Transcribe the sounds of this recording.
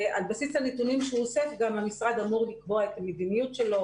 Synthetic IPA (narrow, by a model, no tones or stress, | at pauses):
ʔalbasislanetunimʃeuosefɡamhamisʁad̪amuʁlikbo̞aet̪amed̪inijutʃe̞lo̞